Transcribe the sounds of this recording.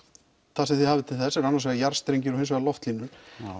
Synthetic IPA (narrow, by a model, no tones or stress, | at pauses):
θaðsɛmθɪðhaːvɪt̪ʰɪlθɛsːɛɾanːaɾsvɛɣajaɾ̥st̪ɾejɲcɪɾɔhensvɛɣalɔft̪liːnːʏɾ̥